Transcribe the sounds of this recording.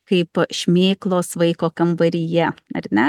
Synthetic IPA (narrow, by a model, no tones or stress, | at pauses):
kɐɪpʃʲmʲeːklˠoːsʋɐɪkoːkɐmbɐɾʲɪjɛɐ̰ɾʲnʲɛ